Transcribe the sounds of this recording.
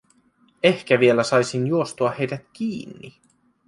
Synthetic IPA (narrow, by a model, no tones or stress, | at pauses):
ehkæʋie̞læsɑjsinjuost̪uɑhe̞jdæt̪kiːnːḭ